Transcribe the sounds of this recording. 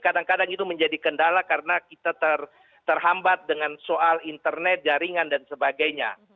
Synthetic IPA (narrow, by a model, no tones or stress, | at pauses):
kadaŋkadaŋit̪uməɲd͡ʒadikəndalakaɾənakit̪at̪ər | t̪ərɦambat̪̚dəŋansoalint̪ərnɛt̪̚d͡ʒaɾiŋandansəbaɡajɲa̰